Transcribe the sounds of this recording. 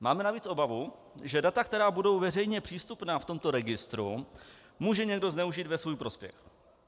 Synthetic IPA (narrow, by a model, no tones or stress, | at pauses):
maːmɛnaviːt͡sʔobavu | ʒɛdat̪ak̚t̪ɛɾaːbudo̞wvɛrɛjɲɛpr̥iːst̪upnaːft̪o̞mt̪o̞ɾɛɡɪst̪ɾṵ | muːʒɛɲɛɡdo̞znɛuʒiːt̪vɛsvuːjpɾo̞spjɛ̰x